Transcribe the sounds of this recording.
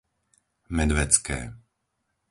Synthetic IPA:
mɛd̪ʋɛt͡skɛ̰ː

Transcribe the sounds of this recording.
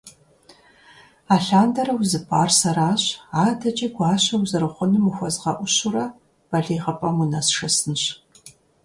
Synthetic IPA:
aːɬaːndɐrɐwzɨpʰʼaːrsɐɾaːɕaːdʰɐt͡ʃʼiːɡʷɑːɕɐwzɨrɨχʷʊnɨmuxʷɔzʁɐʔʷʊɕʊrɐ | b̥ɐɮeːʁɐpʼɐmunɐsʂɐsɨnɨɕ

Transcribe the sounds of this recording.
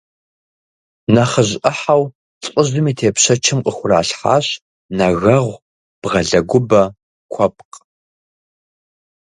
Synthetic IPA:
nɐχəʑʔɐħaw | ɬʼəʑdɨmiːtʰeːpɕɐt͡ʃʰɪmqʼəxʷʊra̰ːɬħa̰ːɕ | nɐɣɐʁʷ | b̥ʁɐɮɐɡʷʊbɐ | kʷʰɔp̚q

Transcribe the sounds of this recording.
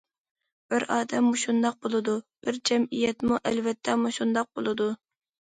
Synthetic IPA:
b̥ɪɾɑːd̪ɛmːuʃund̪ɑq̚bolˠɨd̪ub̥ɪɾd͡ʒɛmijɛt̪muʔɛlvɛt̪ʰːɛmuʃund̪ɑq̚bolˠɨd̪u

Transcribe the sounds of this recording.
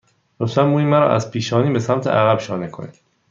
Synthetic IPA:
ɾosænmuːiːmæɾɒ̰ːʔæ̰zpʰiːʃɒːniːbesæmt̪ʰeʔæɣæbʃɒːnekʰo̰nḭ̥

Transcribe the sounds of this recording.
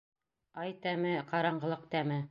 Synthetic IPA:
ɑjt̪æmɘqɑɾɑɴɢɤ̆lˠɤq̚t̪æmɘ

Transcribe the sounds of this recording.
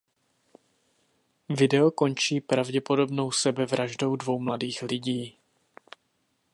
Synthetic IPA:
vɪdɛoko̞nt͡ʃiːpɾavɟɛpo̞do̞bno̞wsɛbɛvɾaʒdo̞wdvo̞wmladiːxlɪɟiː

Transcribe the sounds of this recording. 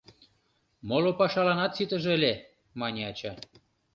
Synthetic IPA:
molopɑʃɑlɑnɑt̪sit̪ə̆ʒəlʲe | mɑnʲeɑt͡ɕɑ

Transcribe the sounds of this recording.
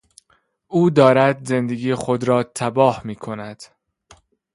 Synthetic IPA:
ʔuːd̪ɒːɾæd̪ze̞nd̪e̞ɡiːexod̪ɾɒːt̪ʰæbɒːhmiːkʰo̞næd̪̥

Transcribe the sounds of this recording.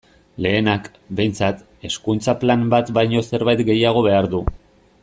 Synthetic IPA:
le̞ːnak | be̞jnt͡sat̪ | e̞skunt͡saplambat̪bajɲo̞se̞ɾβajt̪ɡe̞jaɣ̞o̞βe̞aɾðu

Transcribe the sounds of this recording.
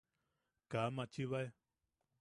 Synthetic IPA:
kamãt͡ʃiβae

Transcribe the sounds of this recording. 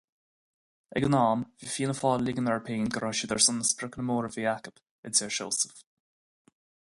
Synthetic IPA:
ɛɡənɑːmviːfiːnəfɑːllːɪɡənəɹpʰeːnɡəɾɔʃəd̪ɛɹsʊnəspɾɪknəmoːɹəviakəb̥ | ɪnseɹʃo̰ːsə̥f

